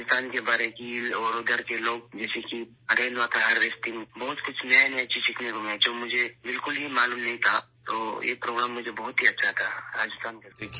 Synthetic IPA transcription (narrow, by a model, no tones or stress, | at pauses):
ɪst̪aːnkebaːɾeẽkiɔɾʊd̪əɾkeloːɡd͡ʒɛːseki | ɐɾeːnʋat̪ʰaɦɐɾʋeːst̪inbɔɦʊt̪kʊt͡ʃʰnɐent͡ʃʰiʃɪkʰnekomẽd͡ʒoːmʊd͡ʒʱebɪlkʊlɦimaːluːmnɐɦĩt̪ʰa | t̪oːjḛpɾoːɡɾaːmːʊd͡ʒʱebɐɦʊt̪ɦiɐtːʃʰat̪ʰaɾaːd͡ʒɪst̪aːnkeko